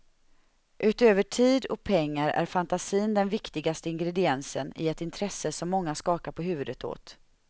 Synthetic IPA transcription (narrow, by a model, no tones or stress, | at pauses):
ʔʉ̟ːt̪øːvəʈʰiːd̪ɔk̚pʰɛŋːaɾæ̰ɾfant̪asiːnd̪ɛnvɪkt̪ɪɡast̪əɪŋɡɾɛd̪ɪɛnsənɪ̰ɛt̪ɪnt̪ʰɾɛsːəsɔmːɔŋːaskɑːkaɾpʰɔɦʉ̟ːvɵd̪ət̪ʰo̰ːt̪